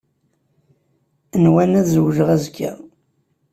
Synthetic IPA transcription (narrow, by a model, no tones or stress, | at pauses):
ənwænæðzəwʒəʁæzkʰːa̰